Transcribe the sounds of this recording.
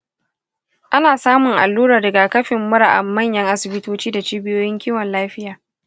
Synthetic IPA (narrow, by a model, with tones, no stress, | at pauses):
ʔa˦naː˨saː˦mʊ˨ŋʔa̰˨lːuː˦ɾaː˨dɐ˨ɡa˨kɐ˦ɸɪ˨mːʊ˦ɽa˨ʔa̰˨mːɐ˦˨ɲjɐ˦ŋʔa˦sɪ˨bɪ˦toː˦t͡ʃiː˦da˨t͡ʃiː˦bɪ˦joː˦jɪ˦ŋkʲiː˦wɐ˨nlaː˦ɸɪ˦jaː˨